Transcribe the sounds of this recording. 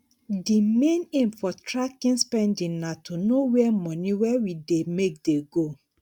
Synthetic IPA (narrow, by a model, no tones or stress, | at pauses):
dimenẽmfɔtɹakĩnspɛ̃ndĩŋnatʰunowɛmɔniwɛwidemek̚deɡo